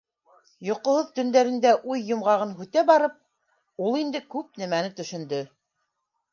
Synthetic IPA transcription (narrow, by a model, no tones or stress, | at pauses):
jŏqŏhoðt̪ɵ̆nd̪æɾɘ̆nd̪æʔujːŏmʁɑʁɤnɦʉt̪æbɑɾɤp̚ | ulˠind̪ɘkʉp̚næmænɘt̪ɵ̆ʃɵ̆nd̪ɵ